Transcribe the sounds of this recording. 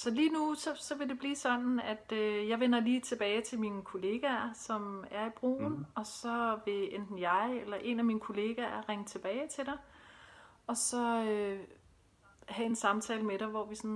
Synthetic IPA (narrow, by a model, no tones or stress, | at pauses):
sɒ̽liːnusɒ̽sɒ̽ʋe̝d̥e̝b̥liːsɒ̽n̰n̩æd̥øjɑ̈ɪʋenɐliːt͡sʰe̝b̥ɛːɪt͡sʰe̝lminkʰo̝le̝ːɡ̥æɐsɒ̽mæɐib̥ʁo̰ːnɒ̽sɒ̽ʋe̝end̥n̩jɑ̈ɪelɐʔe̝næminəkʰo̝le̝ːɡ̥æɐʁeŋət͡sʰe̝b̥ɛːɪt͡sʰe̝ld̥ɑ̈ɪ | ɒ̽sɒ̽ø | hæe̝nsɑ̈mt͡sʰɛ̰ːləmeɾ̥ɑʋɒʋisɒn